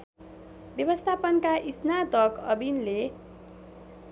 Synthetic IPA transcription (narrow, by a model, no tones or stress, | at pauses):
bjʌbʌst̪ʰapʌnkaʔisnat̪ʌkʌbinle